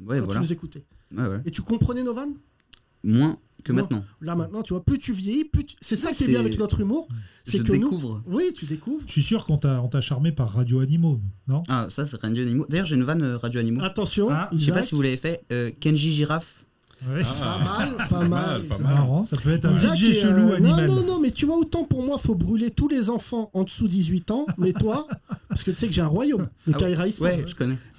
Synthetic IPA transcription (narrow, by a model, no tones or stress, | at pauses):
wɛ̃vw̪lnuzekut̪ewɛwɛ̰et̪ykɔ̃pχənɛnovan | mwɛ̃ | kəmɛ̃nɑ̃lamɛ̃t̪̚nɑ̃t̪yvwaplyt̪yvjejiplyt̪sɛsakiɛjɛ̃avɛknɔt̪χymuʁsɛkəenukuvʁwit̪ʰyd̪ekuvʁʃɥisyʁkɔ̃t̪aɔ̃t̪aʃaʁmepaʁːad̪joanimonɔ̃asas̬ɛʁad̪joanimod̪ajœʁʒeynvanøʁad̪joanimoat̪ɑ̃sjɔ̃iʃzʃapasivulavefɛøkɛ̃nʒiʒiʁaf | ɛamalpamaamɛ̃sapøɛt̪χizaʒəluanɔĩmaɔ̃nɔ̃mɛt̪yvwaot̪ɑ̃puʁmwafobʁylet̪ulezɑ̃fɑ̃ɑ̃d̪əsud̪izɥit̪ɑ̃mɛt̪wappaskət̪y̥sɛkəʒeɛ̃ʁwajomɔ̃aiʁaiswiɛʒəkɔnɛ